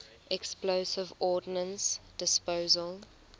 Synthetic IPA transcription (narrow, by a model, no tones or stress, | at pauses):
ʔɛksploːsɪvɔːdnə̃nsd̥ɪspoːzəlˠ